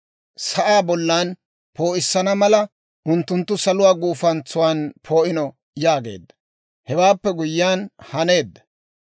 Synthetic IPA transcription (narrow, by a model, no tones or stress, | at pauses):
sɐʔaːbɔlːaːn | po̞ːʔɪsːɐnɐmɐlɐ | ʔʊnt̪ːʊnt̪ːʊsɐlʊwaːɡuːfɐnt͡sːʊwaːnpʰo̞ːʔɪnɔ | jaːɡe̞̰ːd̪ːɐ̥ | hɛwaːpːɛɡʊjːaːnhɐne̞ːd̪ːɐ̥